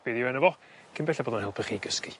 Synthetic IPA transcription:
b̥ɪðivɛnəvɔ | kʰinbɛɬɛboːðənhɛlˠpʰəχiːɡəski

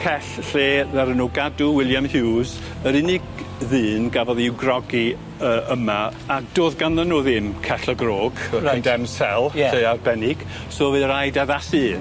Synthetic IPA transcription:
kʰɛɬɬeːðɛɾənʊɡadʊwɪlˠjamhɪwz | əɾɪnɪɡðɨːnɡavɔðiwɡrɔɡi | əːʔəmaː | kd̥oːðɡanðənːoːðɪmkʰɛɬəɡroːɡ̥əəndɛmsɛlˠɬejarbɛnɪɡ̥ | soːvɨəɾajdaðasɨː

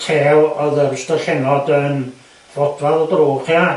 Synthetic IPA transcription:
tʰeːwɔðərstəɬɛnɔdən | v̥ɔd̥vaðɔdroːχja

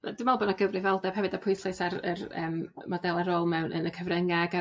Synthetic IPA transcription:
d̥ɪmalˠbɔnaɡəvrɨvɛlˠdɛb̥hɛvɨdapʰʊjθasarə̰rə̰ːmmɔdɛlˠəɾoːlˠmɛwnʔə̰nəkʰəvrəŋaɡa

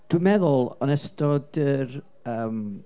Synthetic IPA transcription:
d̥wɪmɛðʊlˠɔnɛstɔdər | əːm

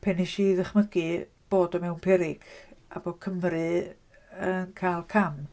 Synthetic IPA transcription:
pʰɛnɪʃiðəχməɡɨ | b̥oːdɔmɛwnpʰɛɾɪɡ̥a̰boːkʰəmrɨ | ənkʰaːlˠkʰam

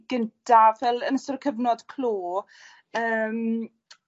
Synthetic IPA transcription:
ɡ̥əntʰavɛlˠənəsɔrkʰəvnɔd̥kʰloː | əːm

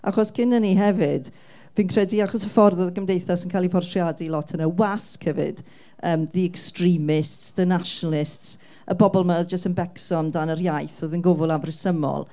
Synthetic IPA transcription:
a̰χɔskʰɪnəniɦɛvɪd̥ | vinkʰrɛdiaχɔsəfɔrðɔðəɡəmdejθɔsənkʰajlifɔrtʰrjadilˠɔtʰənəwaskhɛvɪ̰d̥ | əːmðiɛkstrimɪstsðənaʃɔnalˠɪsts | əbɔbɔlˠmaðd͡ʒəstənbɛksɔndanərjajθɔðənɡʊvʊlˠavrɪsəmɔ̰lˠ

